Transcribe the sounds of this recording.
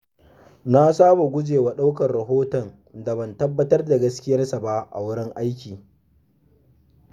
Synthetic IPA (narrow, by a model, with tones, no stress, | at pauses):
na˦saː˦bo˨ɡʷʊ˦d͡ʒeː˨wa˨ɗa˦wkɐ˨rɽɐ˨ɦoː˦tɔ˨n | da˨bɐ˨ntɐ˦bːɐ˦tɐ˦rda˨ɡɐ˦skʲɪ˦jɐ˦rsa˨ba˦ʔa̰˨wʊ˦ɽɪ˦ŋʔa˦jkʲiː˨